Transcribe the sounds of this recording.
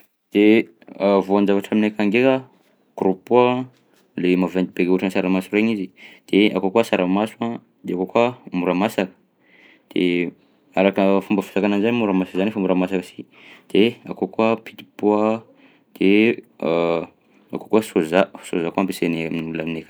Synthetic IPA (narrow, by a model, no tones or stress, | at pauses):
d̪̥e | avoand͡ʒavaʈ͡ʂaminekaŋɡeka | kɾupua | lemavend̪ibekuʈ͡ʂansaɾamasuɾeɲizid̪̥ea̰kokuasaɾamasua | d̪̥eakokuamuɾamasakə̥ | d̪̥e | aɾakəfumbəfu̥sakananizanimuɾamasḁkzanefamuɾamasakəsi | d̪̥ea̰kokuapi̥t̪i̥poa | d̪̥e | a̰ko̥kuasozaso̰zakuampeseneamulaminekḁ